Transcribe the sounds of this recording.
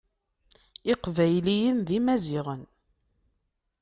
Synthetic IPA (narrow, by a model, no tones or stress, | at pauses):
ɪqvæjlijənðimæzɪʁən